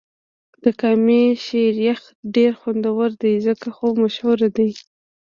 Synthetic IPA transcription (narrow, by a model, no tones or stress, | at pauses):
d̪̥əkɑmeʃeɾjax | ɖeɾxand̪awəɾd̪ajzəkaxomaʃhuɾad̪aj